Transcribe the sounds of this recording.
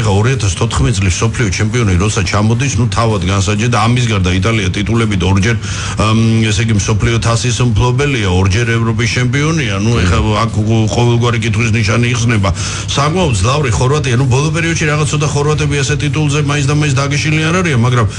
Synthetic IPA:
χaɔɾiat̪ʰast̪ʰɔt̪ʰχmɛt̪it̪sʼlismsɔpʰliɔt͡ʃʰɛmpʼiɔniɾɔt̪sʰat͡ʃʰamɔd̪isnut̪ʰavad̪ɡansad͡ʒɛd̪aːmis̬ɡaɾd̪ait̪ʼaliat̪ʼit̪ʼulɛbid̪ɔɾd͡ʒɛɾ | ɛsɛɡimsɔpʰliɔt̪ʰasismpʰlˠɔbɛliaɔɾd͡ʒɛɾɛvɾɔpʼist͡ʃʰɛmpʼiɔnianuɛχaakʰqʼɔvɛlˠɡwaɾikʼit̪χwis̬niʃaniːʁsnɛba | sakʼmaɔd̪d̪zlˠavɾiχɔɾvat̪ʼianubɔlˠɔpʼɛɾiɔd̪ʃiɾaʁat̪sʰɔd̪aχɔɾvat̪ʼɛbiasɛt̪ʼit̪ʼulˠzɛmais̬d̪amais̬d̪aɡɛʃiliaɾaɾianmaɡɾam

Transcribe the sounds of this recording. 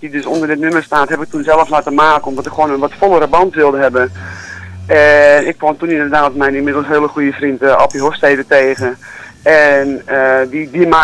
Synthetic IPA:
didøsondərdɪtnømərstaːtɦɛpɪk̚tunsɛlˠəfslaːtəmaːkəɔmdɔtɪkxwoənənʋɔtfolˠəɾəbɑntʋɪlˠdəɦɛbə | ɛnɪkːʋɔmtunindərdaːtmɛjninmɪdəl̩ˠsɦeəlˠəxujəfrintəɔpiɦofsteːdəteːɣəɛnədidima

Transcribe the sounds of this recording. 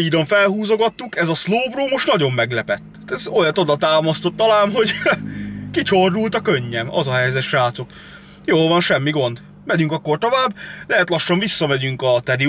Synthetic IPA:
iːd̪oɱfɛlɦuːzoɡɒt̪ːukɛzɒsloːbroːmo̞ʃt̪nɒɟo̞mːɛɡlɛpɛt̪ːɛzojɒt̪od̪ɒt̪aːmɒst̪o̞t̪ːɒlaːnɦo̞ɟ | kit͡ɕordult̪ɒkøɲːɛmɒ̰zɒɦɛjzɛt̪ʃaːt̪sok | joːlvɒnʃɛmːiɡo̞nd̪ | mɛɟyŋkɒkːo̞rt̪o̞vaːblɛɦɛt̪lɒʃːɒɱvisːɒmɛɟyŋkɒt̪ɛɾi

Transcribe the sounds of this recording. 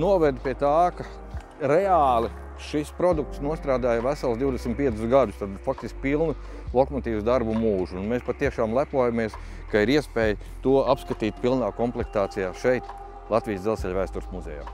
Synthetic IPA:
nuɔvɛd̪piɛt̪aːka | ɾɛaːlˠi | ʃispɾɔd̪uk̚t̪snuɔst̪ɾaːd̪aːjvæsalˠsd̪iwd̪ɛsmt̪piɛsʊsɡad̪ʊst̪ad̪fak̚t̪isk̚ʲpilˠnu | lˠɔkɔmɔt̪iːvsd̪aɾbumuːʒuːnmeːspat̪ːiɛʃaːmlˠæpuɔjamiɛs | kaiɾiɛspɛːj | t̪uɔapskat̪iːt̪̚pilˠnaːkɔmplˠɛkt̪aːt̪sijaːʃɛjt̪ | lˠɑt̪viːsd̪zɛlˠsʲɛʎʲvæːst̪uɾsmuzʲɛ̰ja̰ː

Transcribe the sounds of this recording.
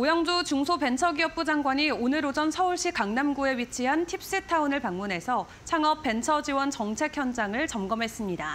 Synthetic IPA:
ojʌŋd͡ʑut͡ɕuŋsʰope̞nt͡ɕʰʌɡiʌp̚p͈ud͡ʑaŋɡwaɲionɯɾod͡ʑʌnsʰʌuɭɕ͈ikaŋnamɡue̞wɥit͡ɕʰiɦantʰip̚s͈ɯtʰaunɯɭpaŋmunɦe̞sʰʌ | t͡ɕʰaŋʌpp͈e̞nt͡ɕʰʌd͡ʑiwʌnt͡ɕʌŋt͡ɕʰe̞kʰjʌnd͡ʑaŋɯɭt͡ɕʌmɡʌmɦe̞s͈ɯmɲida

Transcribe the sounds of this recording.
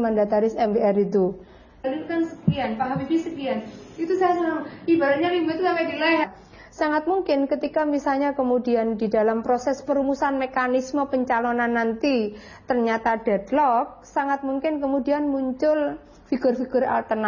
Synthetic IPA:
məndat̪aɾɪsɛmbeɛɾit̪u | likansəkianpaɦabifisəkianit̪usaasaaibaɾaɲalimbat̪usampaʔdilaɦa | saŋat̪̚muŋkɪnkət̪ikamisalɲakəmudiandidalampɾosɛspəɾumusanmekanisməpəɲt͡ʃalonanːant̪i | t̪ərɲat̪ad̥adlɔk̚saŋat̪̚muŋkɪnkəmudianmuɲt͡ʃʊl | fiɡʊrfiɡʊɾa̰lt̪ərn

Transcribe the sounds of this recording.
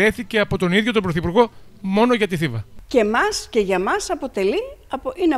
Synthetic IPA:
e̞θice̞ɐpo̞t̪o̞niðʝo̞t̪obɾoθipuɾɣo̞mo̞no̞ʝɐt̪iθivɐce̞mɐsce̞ʝɐmɐsɐpo̞t̪e̞liine

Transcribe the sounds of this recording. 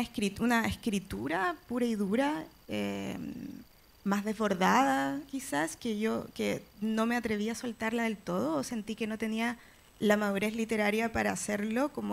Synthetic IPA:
ekɾitunaeskɾit̪uɾapuɾaiðuɾa | ḛm | mazðezβo̞ɾðaðakisaskeʝo̞keno̞me̞at̪ɾe̞βiaso̞lt̪aɾlaðe̞lt̪o̞ð̞oːse̞nt̪ike̞no̞t̪e̞nia | lamaðuɾe̞slit̪e̞ɾaɾjapaɾaːseɾlo̞komo

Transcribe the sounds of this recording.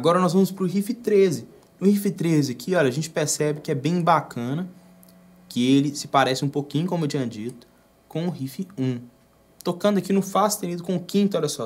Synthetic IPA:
aɡɔɾɐnɔzvɐ̃mʊspɾʊɦifɪt̪ɾezɪ | nʊhifɪt̪ɾezɪkʰɪɔʎɐʒẽnt͡ʃɪ̥peɾsɛbɪkɪɛbẽj̃bakʰɐ̃nɐ | kɪelɪsɪ̥paɾɛsɪũpokĩɲʊkõmewt͡ʃĩɲɐd͡ʒit̪ʊ̥ | kõw̃ʊhifɪũ | t̪okɐ̃nd̪ʊɐkinʊfasɪ̥t̪enid̪ʊkõʊkĩt̪ʊɔlɐsɔ

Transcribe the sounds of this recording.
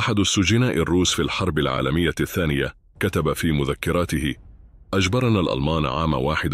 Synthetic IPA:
ʔaħad̪ʊsːʊd͡ʒɪnaːʔɪrːuːsfilħɑɾˤbalʕa̰ːlamɪjːaθːaːnɪja | kat̪abafiːmʊðakːɪɾˤɑːt̪ɪhɪʔad͡ʒbɑɾˤɑnaːlʔa̰lmaːnʕaːma̰waːħɪd̪

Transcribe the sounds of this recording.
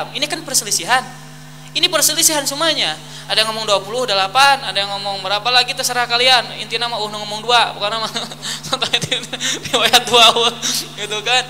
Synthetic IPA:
minikanpərsəlisiɦan | inipərsəlisiɦansumaɲa | adajaŋɔmɔŋduapulʊhdəlapanadajaŋɔmɔŋbəɾapalaɡit̪asəɾahkalianḭnt̪inamauhnaŋɔmɔŋduabukanamasɔnt̪aat̪ipiwajat̪uawuɡit̪ukan

